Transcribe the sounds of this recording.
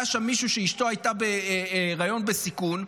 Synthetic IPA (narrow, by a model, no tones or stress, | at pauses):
aʃamːiʃuʃeiʃto̞ajt̪abeʁajo̞nbe̞sikun